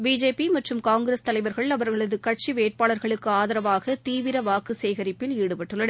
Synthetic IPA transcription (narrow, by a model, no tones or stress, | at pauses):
biːd͡ʒeːpimɐʈrɯmkaːŋɡɪɾeːst̪ɐlɐɪʋɐɾɣɐɭɐʋɐɾɣɐɭɐðɯkɐʈ̚t͡ʃiʋeːʈ̚paːɭɐɾɣɐɭɯkːɯaːðɐɾɐʋaːɣɐt̪iːʋɪɾɐʋaːkɯsɛjɣɐɾɪpːɪliːɽɯpɐʈːɯɭːɐɽ